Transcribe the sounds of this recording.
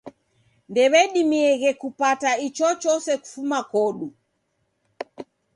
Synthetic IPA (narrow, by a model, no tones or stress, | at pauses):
ndɛβɛɗimiɛɣɛkupatait͡ʃɔt͡ʃɔsɛku̥fumakɔɗu